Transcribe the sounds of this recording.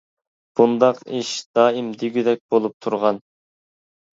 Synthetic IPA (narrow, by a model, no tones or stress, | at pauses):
b̥und̪ɑqiʃd̪̥ɑːimd̪iɡʲyd̪ɛk̚ʲbolˠup̚t̪ʰuɾʁɑn